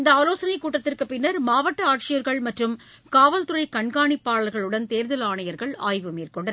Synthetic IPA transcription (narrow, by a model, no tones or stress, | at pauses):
ɪnd̪ɐaːloːsɐnɐɪkːuːʈːɐt̪ːɪrkɯpːɪnːɐɾmaːʋɐʈːɐaːʈ̚t͡ʃɪjɐɾɣɐɭmɐʈrɯm | kaːʋɐlt̪ɯɾɐɪkɐɳɡaːɳipːaːɭɐɾɣɐɭɯɽɐnt̪eːɾðɐlaːɳɐjɐɾɣɐɭa̰ːjʋɯmiːrkɔɳɖɐn